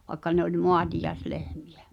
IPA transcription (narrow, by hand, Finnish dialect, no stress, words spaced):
ʋɑĕkːɑ ne olʲ moɑtijɑeslehmi̥j̊̆æ̥